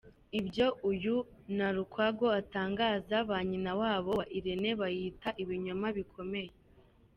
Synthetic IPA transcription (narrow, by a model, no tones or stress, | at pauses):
ibjo̞ʔujunaɾukwaɡo̞ataːŋɡaːzaβaːɲinawaːβo̞aʔiɾene̞βajiːtaʔiβiɲomaβikʰo̞me̞je